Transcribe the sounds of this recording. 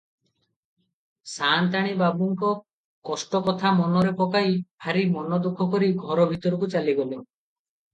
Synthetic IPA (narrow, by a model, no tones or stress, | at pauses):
sant̪aɽ̃ibabuŋkɔ | kɔsʈɔkɔt̪ʰamɔnɔɾepɔkajbʰʱaɾimɔnɔd̪ukʰːɔkɔɾiɡʱɔɾɔbʱit̪ɔɾɔkut͡ʃaliɡɔle